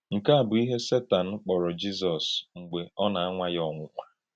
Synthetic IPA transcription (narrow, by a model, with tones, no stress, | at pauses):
ŋ̩˨ka˦a˨bʊ˨i˦ɦe˦se˦ta˨n̩˦k͡pɔ˨ɾɔ˨d͡ʒi˦s̬ɔ˨sŋ͡m̩˨ɡ͡be˨ɔ˦na˨a˦ŋʷa˦jɔ˦˨ŋʷʊ˦kʷa˦